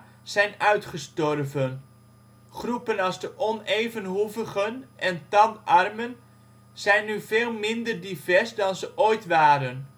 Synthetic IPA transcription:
z̥ɛjnœɥtχəstɔrvən | χrupənɑlˠzdəʔɔnejvənɦuvəχənʔɛntɑnɑrmən | z̥ɛjnːyveːlˠmɪndərdivɛrsdɑnzəʔoːjtʋaːɾən

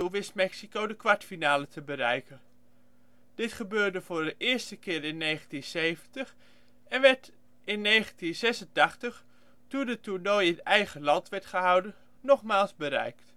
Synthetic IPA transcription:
uʋɪstmɛksikowdəkʋɑɹtfinaːlətəbəɾɛjkən | d̥ɪtχəbøːɹdəvʊːɹdəʔɪːɹstəkɪːɾɪnːejχəntinsejvəntəχ | ɛnʋɛɹt | ɪnːejχəntinz̥ɛsəntɑχtəχ | tundətunɔjɪntɛjχəlɑntʋɛɹtχəɦɑwdən | nɔχmaːlˠzbəɾɛ̰jkt

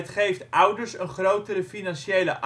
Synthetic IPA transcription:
tχejftʌwdəɹsənχrowtəɾəfinɑnʃejlə̰ʔʔ

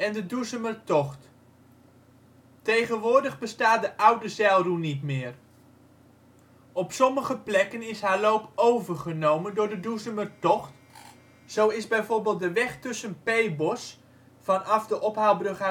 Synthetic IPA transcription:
ɛndəduzəmərtɔχt | tejχənʋʊːɹdəχbəstaːdəʔʌwdəzɛlˠrunitmɪːr | ɔpsɔməχəplɛkənɪsɦaːlowpowvərχənowməndʊːɹdəduzəmərtɔχt | z̥owɪzbɛjvoːɹbɪːlˠt̚dəʋɛχtɵsənpejbɔs | fɑnɑfdəʔɔpɦalˠbrɵχa

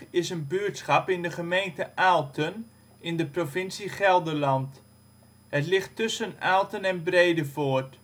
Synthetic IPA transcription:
ɪsənbyəɹtsχɑpɪndəχəmejntəʔaːlˠtʰən | ɪndəprofɪnsiχɛlˠdəlɑnt | hətlɪχtːʏsənaːlˠtənɛnbrejdəvoːɹt

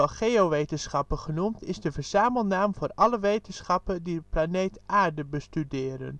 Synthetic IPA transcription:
ɑlˠχeoʋejtənsχɑpəχənumtɪzdəvəɹz̥aːməlˠnaːmvʊːrɑləʋejtənsχɑpəndiəplanejtʔaːɹdəbəstydɪːɾə̰n

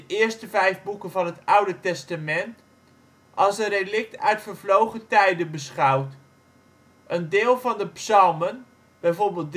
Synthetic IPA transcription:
əʔɪːɹstəvɛjvbukənvɑnɦətʌwdətɛstamɛnt | ʔɑlˠsənrelɪk̚tœ̰ɥtfəɹvlowχətɛjdənbəsχɑwt | ʔəndɪːlˠvɑndəpsɑlˠmən | b̥ɛjvoːɹbɪːlˠt̚d

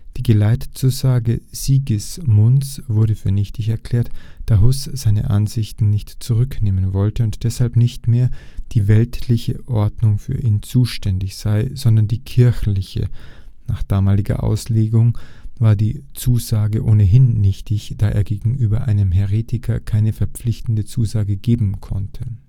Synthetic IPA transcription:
d̥iːɡəlaɪtt͡suːzaːɡəz̥iːɡɪsmʊnt͡sv̥ʊɐɾəfyːɐnɪçtɪçɛɐkʰl̥ɛːɐtd̥aːɦʊsz̥aɪnə̰ʔa̰nzɪçtn̩nɪçtt͡suʁʏkneːmənvɔltəʊntd̥ɛshalpnɪçtmeːɐd̥iːvɛltʰlɪçəʔɔɐdnʊŋfy̰ːɐʔiːnt͡suːʃtɛndɪçz̥aɪz̥ɔndɐndiːkʰɪɐçlɪçə̰naːχd̥aːmaːlɪɡɐ̰ʔa̰ʊsleːɡʊŋvaːɐdiːt͡suːzaːɡəʔoːnəɦɪnːɪçtɪçd̥aːʔḛːɐɡeːɡŋ̩ʔyːbɐʔaɪnəmɦɛʁeːtʰɪkʰɐkʰaɪnəfɛɐp͡flɪçtn̩dət͡suːzaːɡəɡeːbm̩kʰɔ̰ntʰə

